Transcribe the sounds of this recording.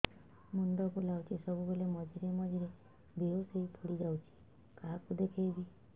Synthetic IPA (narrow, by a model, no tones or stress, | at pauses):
mund̪ɔkulawt͡ʃʰisɔbubelemɔd͡ʒʱiɾemɔd͡ʒʱiɾe | bʱeoseipʰuɽid͡ʒawt͡ʃʰi̥ | kakud̪ekʰejbi